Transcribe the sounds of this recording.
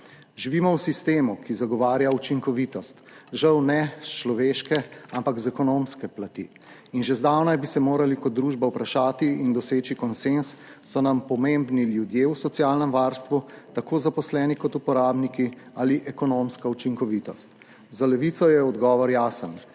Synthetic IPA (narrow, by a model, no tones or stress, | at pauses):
ʒiʋiːmɔwsist̪eːmukizaɡɔʋaːɾjaut͡ʃiŋkɔʋit̪ɔst̪ʒawnɛst͡ʃlɔʋeʃkɛampakzɛkɔnomskɛplat̪ḭ | inʒezd̪awnajbisɛmoːɾalikɔd̪̚d̪ːɾuːʒbawpɾaʃaːt̪iind̪ɔseːt͡ʃikɔnsensːɔnampɔmembniljud̪jewsɔt̪sijaːlnəmʋaːɾst̪ʋut̪akoːzapɔslɛːnikɔt̪upɔɾaːbniki | aliʔɛkɔnomskaut͡ʃiŋkɔʋiːt̪ɔst̪ | zalɛʋit̪sɔjɛɔd̪ɡɔːʋɔɾjaːsən